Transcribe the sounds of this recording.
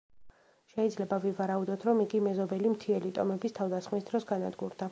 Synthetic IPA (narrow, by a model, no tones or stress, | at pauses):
ʃɛid̪zlɛbavivaɾaud̪ɔt̪ʰɾɔmiɡimɛzɔbɛlimt̪ʰiɛlit̪ʼɔ̰mɛbist̪ʰavd̪asχmisd̪ɾɔsɡanad̪ɡuɾd̪a